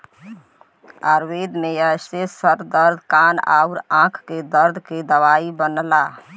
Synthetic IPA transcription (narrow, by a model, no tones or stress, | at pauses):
aɾʋed̪meəjsesəɾd̪əɾd̪ʱkana̰uɾãkʰked̪əɾd̪ʱked̪əʋaibənla